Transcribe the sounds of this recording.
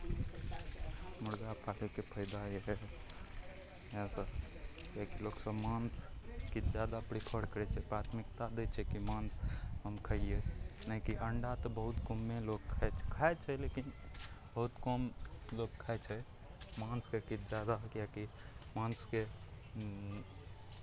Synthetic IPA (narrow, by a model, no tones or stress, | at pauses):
muɽɡapʰalekepʰəɪd̪aeɦɛ | jãsəb | jakiloksəbmanskid͡ʒjad̪apɾikʰəɽkəɾɛt͡ʃʰɛpɾat̪ʰmikt̪ad̪et͡ʃʰɛkimansɦəmkʰəijenəkiʔəɳɖat̪ɔbəɦut̪komːelokkʰɛt͡ʃʰkʰaɛt͡ʃʰɛlekinbəɦut̪kɔmlokkʰːaɛt͡ʃʰɛ | manskekid͡ʒad̪akjakimanske